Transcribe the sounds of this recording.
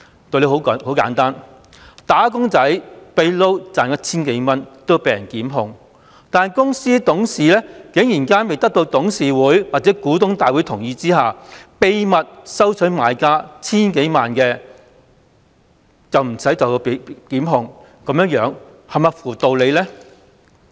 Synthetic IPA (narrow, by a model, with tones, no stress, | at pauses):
t̪o˨˧wle˨˧jho˨˥who˨˥wka̰ː˨˥nt̪aː˥n | t̪aː˨˥k̬ʊ˥ŋt͡sɐ˨˥jpe˧jlo˥wt͡saː˨˩nkɐ˧˥t͡sʰiː˥nke˨˥jmɐ˥nt̪o˥pe˨˧jɐ˨˩nkiː˨˥mɦʊ˨˧ŋ | t̪aː˨nkʊ˥ŋsiː˥t̪ʊ˨˥ŋsiː˨lɛː˥kɪ˨˥ŋjiː˨˩nkaː˥npe˨jt̪ɐ˥k̚t̪o˧wt̪ʊ˨˥ŋsiː˨wuː˨˥jwaː˨˩t͡sɛː˨˥kuː˨˥t̪ʊ˥ŋt̪aː˨jwuː˨˥jt̪ʰʊ˨˩ŋjiː˧t͡siː˥ɦaː˨pe˧jmɐ˨t̚sɐ˥wt͡sʰɵ˨˥jmaː˨˧jkaː˥t͡sʰiː˥nke˨˥jmaː˨˩nkɛː˧ | t͡sɐ˨wm̩˨˩sɐ˨˥jt͡sɐ˨wpkiː˨˥mɦʊ˧ŋ | kɐ˨˥mjœː˧˥ŋjœː˨˧˥ŋ | hɐ˨˩maː˨˩fuː˨˩t̪o˨wle˨˧lɛ˥